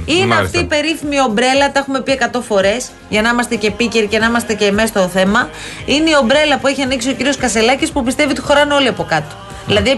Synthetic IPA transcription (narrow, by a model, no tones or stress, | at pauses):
ineɐft̪iːpe̞ɾiθimio̞bɾe̞lɐt̪ɐe̞xume̞pie̞kɐt̪o̞fo̞ɾe̞s | ʝɐnɐimɐst̪e̞ce̞piceɾicenɐimɐst̪e̞ce̞me̞st̪oθe̞mɐ | ineio̞bɾe̞lɐpue̞çiɐniksio̞ciɾio̞skɐse̞lɐcispupist̪evit̪i̥xo̞ɾɐneo̞liɐpo̞kɐt̪o̥ | ðilɐði